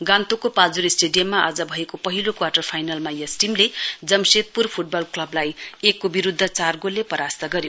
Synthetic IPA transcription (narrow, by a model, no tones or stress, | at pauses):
ɡãnt̪okopad͡zuɾisʈeɖijʌmːaʔa̰d͡zʌbʱʌekopʌɦilokwaʈʌrpʰajnalmajʌsʈimled͡zʌmset̪̚purpʰuʈ̚bʌlklʌblajekːobiɾud̪ʱːʌt͡sarɡolːepʌɾast̪ʌɡʌɾjo